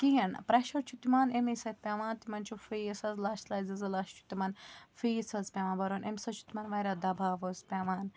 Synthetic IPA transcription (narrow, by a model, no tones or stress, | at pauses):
kiɦinpɾeʃɐɾt͡ʃʰut̪imaːnemesɐt̪̚pʲaːmaːnt̪imɐnʲt͡ʃʰufisɐzlaːʃlaːjzɐzɐlaːʃt͡ʃʰu̥t̪imanfisɐzpʲamaːnbɐɾonʔemʲsɐt͡ʃʰu̥t̪imɐnʋɐɾaːd̪ɐbʱaːʋozpʲamaːn